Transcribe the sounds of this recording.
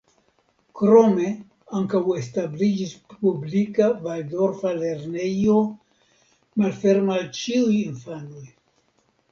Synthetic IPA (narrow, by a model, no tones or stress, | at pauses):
kɾo̞me̞ | aŋkawestablid͡ʒispublikavaldo̞ɾfale̞ɾnejo̞ | malfe̞ɾmalt͡ʃiujinfanoj